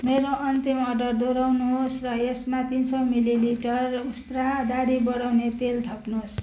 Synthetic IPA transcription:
meɾoʔʌnt̪imʌɖʌrd̪oɾawnusrʌesmat̪insʌmililiʈʌrust̪rad̪aɽibʌɽawnet̪elt̪ʰʌpnos

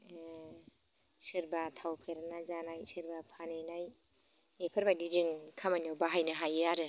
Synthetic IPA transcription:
sɯɾbatʰawpʰeɾanazanajsɯɾbapʰanenaj | epʰɯɾbadidiŋkʰamanjawbaɦajnaɦajɯaɾɯ

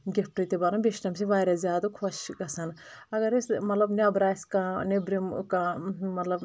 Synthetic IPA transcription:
ɡep̚ʈit̪ibɐɾɐbʲeʃʈɐmsiʋaːjɾɐzʲaːd̪ukʰoʃɡɐsɐnɐɡɐɾesmɐt̪lɐbneɐbɾaːskãːnebɾimkãmɐt̪lɐb

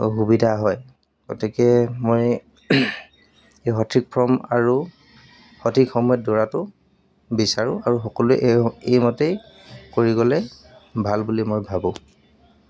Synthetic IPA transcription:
ɦubidʱaɦɔj | ɡɔtʰikɛmoj | eɦɔtʰɹik̚pʰɹɔma̰ɹu | xɔtʰikxɔmɔjɔtdɔɹatʊ | bisaɹʊ̃aɹuxɔkɔluɛʔejmɔtej | koɹiɡɔlɛ | bʱalbulimojbʱabʊ̃

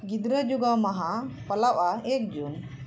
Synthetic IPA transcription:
ɡid̪ɾəd͡ʒuɡawmaɦapəlawʔaɛk̚d͡ʒun

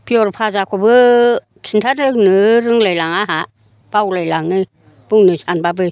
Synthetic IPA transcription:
piɔɾpʰazakʰɔbɯ | kʰintʰaɾɯknɯɾɯŋlajlaŋaɦa | b̥awlajlaŋnɯ | b̥ɯŋnɯsanbabɯ

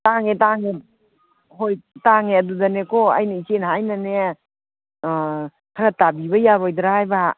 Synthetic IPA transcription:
taŋetaŋe | ɦojtaŋeɐdudanekɔa̰jniit͡ʃenɦajnane | kʰaɾatabiβɐjaɾojd̪ɾahjba

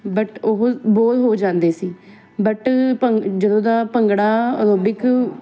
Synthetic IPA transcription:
bəʈʊɦboːlɦoːd͡ʒãːnd̪eːsiː | bəʈpəd͡ʒəd̪õːd̪aːpəŋɡɽaːəɾoːbɪk

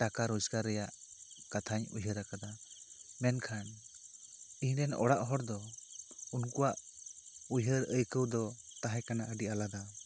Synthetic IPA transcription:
ʈakaɾɔd͡ʒkaɾːɛjaʔkat̪ʰaɲṵjɦəɾakad̪amɛnkʰan | ihnɛnɔ̰ɽaʔɦɔɾd̪ɔ | unkuwaʔ | ujɦəɾəjkəwd̪ɔt̪aɦɛkanaʔəɖiʔalad̪a

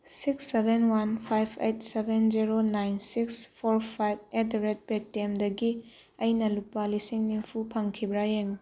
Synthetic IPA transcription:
siksːebʱenwanpʰajbʰejtsebend͡ʒiɾonajnsikspʰoɾpʰajb̚etɾet̚petːemdɐɡi | ɐjnɐlupːalisiŋniŋpʰupʰɐŋkʰibɾajeŋ

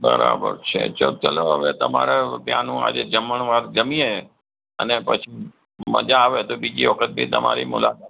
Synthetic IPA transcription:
bəɾabəɾt͡ʃʰet͡ʃot͡ʃəloɦəʋet̪əmaɾepjãnũa̰d͡ʒed͡ʒəməɳʋaɾd͡ʒəmie | ənepət͡ʃʰi | məd͡ʒaːʋet̪obid͡ʒiʋəkʰət̪̚bʱit̪əmaɾimʊlakat̪

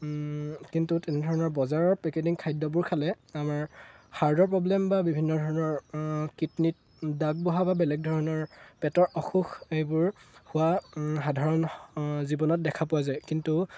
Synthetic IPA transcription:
kintutɛnɛdʱɔɹɔnɔɹbɔzaɹɔɹpɹɛketiŋkʰajdɔbʊɹkʰalɛ | amaɹhaɹdɔɹpɹɔblɛmbabibʱinːɔdʱɔɹɔnɔɹkitnit̚ | daɡ̚bɔɦababɛlɛɡ̚dʱɔɹɔnɔɹpɛtɔɹɔxuxejbʊɹhʊwaxadʱaɹɔnzibɔnɔt̚dɛkʰapʊwazajkintu

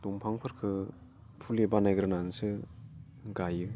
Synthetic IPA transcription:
duŋpʰaŋpʰɯɾkʰɯ | pʰulebanajɡɾɯnansɯ | ɡajɯ

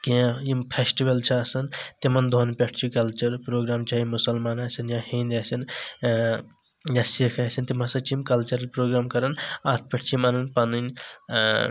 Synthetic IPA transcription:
kijãjimpʰesʈiʋɐlt͡ʃʰɐːsɐnt̪imɐnd̪ʱonpʲeʈʰt͡ʃʰikɐlt͡ʃɐɾpɾoːɡɾaːmt͡ʃʰaimusɐlmaːnasɐnjãhĩnd̪asɐn | jasikʰasɐnt̪imɐ̃sɐt͡ʃʰimkɐlt͡ʃɐɾɐlpɾoːɡɾaːmkɐɾɐnat̪ʰpʲeʈʰt͡ʃʰimanɐnpɐnɨn

